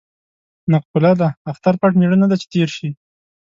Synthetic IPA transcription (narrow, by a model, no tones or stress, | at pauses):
naq̚bʊlad̪aːxt̪aɾpaʈmeɽənad̪at͡ʃe̥t̪eɾʃi